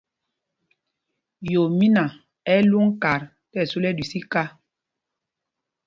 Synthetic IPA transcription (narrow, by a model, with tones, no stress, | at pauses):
jo˨mi˦na˨ | ɛ˦lu˦ŋ̩˦ka˨ɾ | tɛ˦˨su˦lɛ˦di˨si˦ka˦